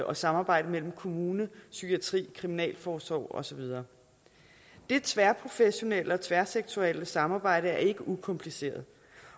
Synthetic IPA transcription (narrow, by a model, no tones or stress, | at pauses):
ʔɒ̽sɑ̈mɑ̈ːb̥ɑ̈ɪ̰ɾəmel̰m̩kʰo̝muːnəsyɡ̥ʰiæt͡sʰʁḭːkʰʁiminɛ̰ːlfɒːsʋɒ̰ʊ̰ɒ̽sɒ̽ʋið̞ˠɐː | d̥e̝t͡sʰʋæɐpʰʁo̝feɕo̝nel̰əɒ̽t͡sʰʋæɐseɡ̥̚t͡sʰuɛl̰əsɑ̈mɑ̈ːb̥ɑ̈ɪ̰ɾəæɐe̝ɡ̥əʔukʰɒ̽mpʰlise̝̰ːɐð̩ˠ